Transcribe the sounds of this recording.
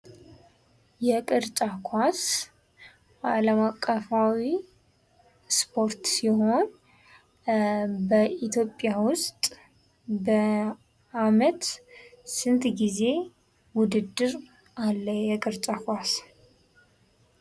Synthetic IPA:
jɛkʼɨɾt͡ʃʼakʰʷas | aləmakʼːəfawi | spʰo̞ɾt̪siho̞n | bəʔit̪ʰjo̞pʼːjawʊst̪ʼ | bə | amət̪sɨnt̪ʰɡize̞ | wʊd̪ɨd̪ɨɾ | alːəjɛkʼɨɾt͡ʃʼakʰʷas

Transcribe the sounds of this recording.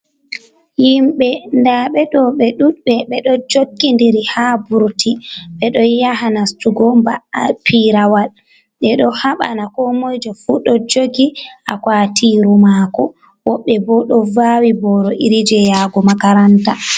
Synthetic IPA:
jimɓɛndaɓɛɗɔɓɛɗuɓɛɓɛɗɔd͡ʒokːindiɾihabuɾtiɓɛɗɔjaɦanastuɡɔmbapiɾawal | ɓɛɗɔhaɓa̰nakɔmojd͡ʒɔfuɗɔd͡ʒoɡiʔa̰kwatʰiːɾumaːkɔ | wɔɓːɛbɔɗɔvawibɔɾɔʔiɾid͡ʒɛjaːɡɔmakaɾanta

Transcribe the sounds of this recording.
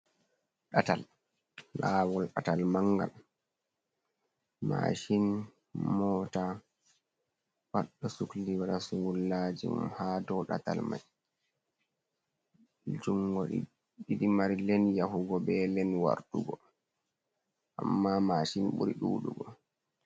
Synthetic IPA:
ɗatalː | aːwɔlɗatalmaŋːɡa̰l | ma̰ːʃin | mɔːta | waɗːɔsukliwaɗasuŋɡulːad͡ʒḭmhadɔɗa̰ta̰lma̰j | d͡ʒuŋɡɔɗḭ | ɗiɗimaɾilɛnjaɦuɡɔbɛlɛnwa̰ɾtuɡɔ | ʔamːamaːʃinbṵɾḭɗṵːɗuɡɔ

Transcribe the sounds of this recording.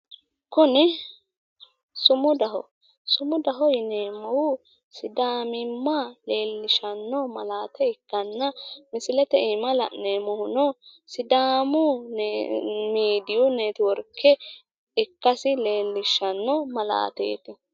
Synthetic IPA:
kʊnɪ | sʊmʊd̪ɐɦɔ | sʊmʊd̪ɐɦɔjɪneːmɔwʊ | sɪd̪aːmɪmːaleːlːɪʃɐnːɔmɐlaːt̪ɛɪkːɐnːɐmɪsɪlɛt̪ɛimɐlɐ̰ʔneːmɔhʊnɔsɪd̪aːmʊ | miːd̪ɪjʊneːt̪ɪwɔɾkʰːɛ | ɪkːɐsɪleːlːɪʃːɐnːɔmɐla̰ːt̪ḛːt̪ɪ

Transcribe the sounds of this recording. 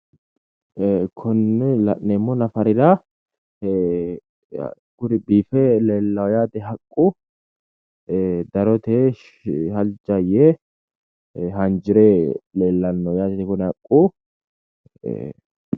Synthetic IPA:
kʰɔnːɛlɐneːmːɔnɐfɐɾɪd̪a | ɡ̥ʊɾɪbiːfɛleːlːɐwjaːd̪ɛɦɐkʼːʊ | d̪ɐɾɔt̪e | hɐld͡ʒɐje | ɦɐnd͡ʒɪɾeleːlːɐnːɔjaːd̪ɛt̪ɛkʊnɛɐkʼːu

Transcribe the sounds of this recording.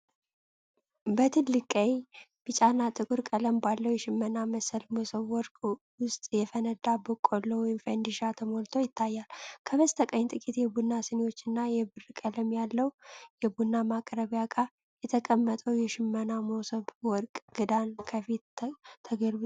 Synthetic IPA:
bət̪ʰɨlːɨkʼəjb̥ɨt͡ʃʼanːat̪ʼɨkʼuɾkʼələmbalːəwjɛʃɪmːənaməsəlmosəβwɔɾkʼ | wʊst̪ʼjɛfənəd̪abəkʼolːowɔjɪmfənd̪iʃat̪ʰəmolt̪ʰo̞jɪt̪ʰːajːalkʰəβəst̪ʰəkʼəɲːt̪ʼɨkʼit̪jɛbunːasɨnewo̞t͡ʃːɨnːajɛbɨrkʼələmjalːəwjɛbunːamakʼɾəβjakʼa | jɛt̪ʰəkʼəmːət̪ʼəwjɛʃɪmːənamowsəβwɔɾkʼɡ̥ɨd̪ankʰəfit̪t̪ʰːəɡəɾbu

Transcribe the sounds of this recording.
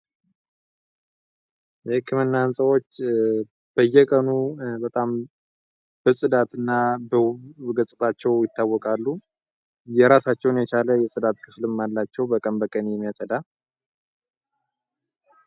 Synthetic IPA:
jhɨkːɨmɨnːansʼəwo̞t͡ʃː | b̥əjːɛkʼənubət̪ʼam | b̥əsʼɨd̪at̪ɨnːabəɡəsʼɨt̪ʰat͡ʃːɛwjɪt̪ʰːawːɔkʼalːu | jɛɾasat͡ʃːɛwnjɛt͡ʃaləjɛsʼɨd̪at̪kʰɨflɨmːalːat͡ʃːɛwbəkʼənbəkʼənjɛmːijasʼəd̪a

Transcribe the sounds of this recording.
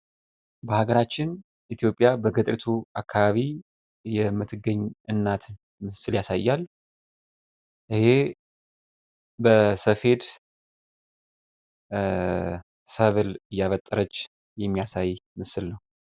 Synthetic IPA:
bəhaɡəɾat͡ʃːɪn | ʔit̪ʰjo̞pʼijabəɡət̪ʼɾit̪ʰuakʰːaβaβi | jɛmːɨt̪ʰːɨɡəɲːʔɨnːat̪ʰ | mɨsɨljasajːal | ʔɨhe̞ | bəsəfe̞d̪ | səβɨlɨjːaβət̪ʼːəɾət͡ʃː | jɛmːijasajmɨsɨlnəw

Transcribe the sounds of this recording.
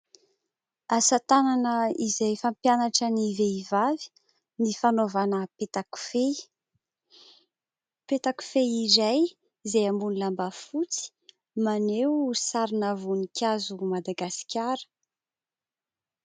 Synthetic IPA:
asat̪ananəizajfampjanaʈ͡ʂəniveivavi̥ | nifanovanəpet̪aku̥fe | pet̪aku̥feizaj | zejambunulambafut͡si̥ | manewsaɾinəvunikʲazumad̪aɡasi̥kʲaɾə̥

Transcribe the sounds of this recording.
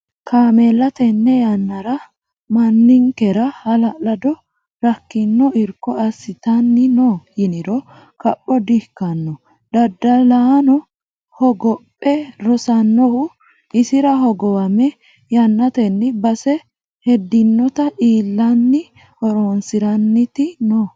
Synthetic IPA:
kaːmɛlːɐt̪ɛnːɛjɐnːɐɾɐ | mɐnːɪŋkɛɾɐhɐlɐlɐd̪ɔ | ɾɐkːɪnːɔɪɾkːɔɐsɪt̪ɐnːɪnojɪnɪɾɔ | kɐpʼːɔd̪ɪhkːɐnːɔ | d̪ɐd̪ːɐlaːnɔ | hɔɡɔpʼːɛɾɔsɐnːɔhʊ | ɪsɪɾɐhɔɡɔwɐmɛ | jɐnːɐt̪ɛnːɪbɐsɛ | hɛd̪ɪnːɔt̪ɐʔiːlːɐnːɪ | hɔɾoːnsɪɾɐnːɪt̪ɪnoː

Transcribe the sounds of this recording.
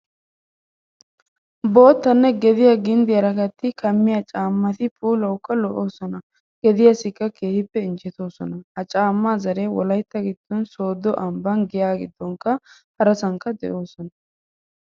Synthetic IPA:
bo̞ːt̪ːɐnːɛɡɛd̪ɪjaɡɪnd̪ɪjɐɾɐɡɐt̪ːɪkʰɐmːɪjɐt͡ʃʼaːmːɐt̪ɪpʼuːlɐwʊkːɐlɔʔo̞ːsɔnɐ | ɡ̥ɛd̪ɪjɐsɪkːɐke̞ːhɪpːɛɪnt͡ʃɛt̪o̞ːsɔnɐhɐt͡ʃʼaːmːaːzɐɾewɔ̰lɐjt̪ːɐɡɪd̪̥ːɔnso̞ːd̪ːɔʔɐmbɐnɡɪjaːɡɪd̪ːɔŋkːɐhɐɾɐsɐŋkːɐd̪ɛ̰ʔo̞ːsɔnɐ

